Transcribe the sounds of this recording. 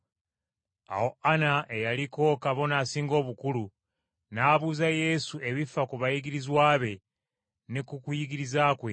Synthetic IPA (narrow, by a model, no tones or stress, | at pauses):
a̰wo̞anaʔe̞jaliko̞kaβo̞naːsiːŋɡo̞ːβukulu | naːβuːzaje̞sue̞βifakuβajiɡiɾizwaːβe̞ | nekukujiɡiɾizaːkwe̞